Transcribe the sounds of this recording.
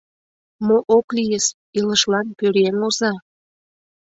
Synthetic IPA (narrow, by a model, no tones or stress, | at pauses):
moʔoklijəʃ | iləʃlɑnpøɾemozɑ